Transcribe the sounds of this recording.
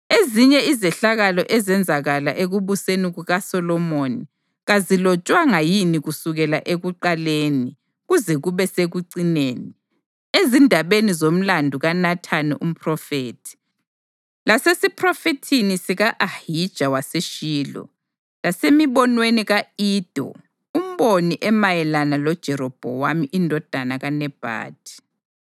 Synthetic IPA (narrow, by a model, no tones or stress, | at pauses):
eziɲɛizɛɬaɣalɔʔɛzɛnd͡zʱaɣalaʔeɣuβuseniɣuɣasɔlɔmoni | ɣazilɔt͡ʃʼwaŋajiniɣusuɣɛlaʔeɣuǃaleːni | ɣuzɛɣuβɛseɣuǀineːni | ezindʱaβenizom̩landʱuɣanatʰanḭʔum̩pʰrɔfeːtʰi̥ | lasesipʰrɔfetʰinisiɣaʔahid̥ʒ̥ʱawaseʃiːlɔ̰ | lasemiβɔnweniɣaiːd̥ʱɔ̰ | um̩βoniʔɛmajɛlanalɔd̥ʒ̥ʱɛɾɔb̥ʱɔ̰wamiʔindʱɔd̥ʱanaɣanɛb̥ʱa̰ːd̥ʱi̥